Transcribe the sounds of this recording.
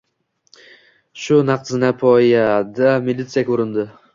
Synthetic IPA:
ʃʊnaqzɨnapʰɔjad̪amɪlʲit̪sɨjakʲʰoɾɪnd̪ɪ

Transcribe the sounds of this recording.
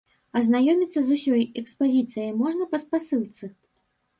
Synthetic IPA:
ɐznajɔmʲit̪sːɐzusʲɔjɛkspazʲit̪sɨjəjmɔʐnɐpɐspasɨlˠt̪sɨ

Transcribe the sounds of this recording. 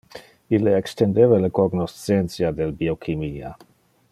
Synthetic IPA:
ilːeɛkst̪end̪evalekoɡnost͡sent̪sjad̪elbiokʰimiːa̰

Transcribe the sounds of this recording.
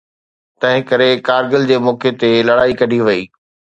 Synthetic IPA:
t̪ɐ̃ɦɪ̃kɐɾekaːɾɡəld͡ʑeːmoːket̪elɐɽaːikɐɖʱiʋɐiː

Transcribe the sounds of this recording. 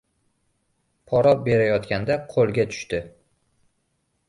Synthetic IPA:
pʰɒɾɒbe̞ɾajɒt̪kʲand̪aqʰolˠɡʲat̪ʰʊ̥ʃt̪ɪ

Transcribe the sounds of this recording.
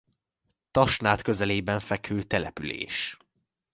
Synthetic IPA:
t̪ɒʃnaːt̪kø̞zɛleːbɛɱfɛkhøːt̪ɛlɛpylḛːʃ

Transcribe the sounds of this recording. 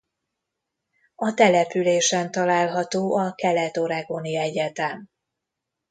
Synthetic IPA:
ɒt̪ɛlɛpyleːʃɛnt̪ɒlaːlɦɒt̪oːʔɒkɛlɛt̪o̞ɾɛɡo̞niɛɟɛt̪ɛm

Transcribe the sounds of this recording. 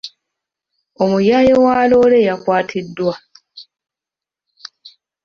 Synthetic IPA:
o̞mujaːjowaːlo̞ːle̞jakwaːtʰidːwa

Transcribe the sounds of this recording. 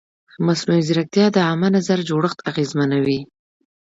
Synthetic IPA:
masnuiziɾak̚t̪jɑd̪əamanazaɾd͡ʒoɽəxt̪aɣezmanawi

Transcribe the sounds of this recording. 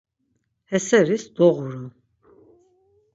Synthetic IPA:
hɛsɛɾisd̪ɔʁuɾu

